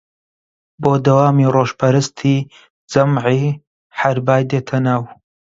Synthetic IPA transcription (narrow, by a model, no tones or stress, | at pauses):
boːd̪ɐwaːmiːroːʒpʰɐɾəst̪ʰiː | d͡zɐmʕiː | ħaɾbaːjd̪eːt̪ʰɐnaːw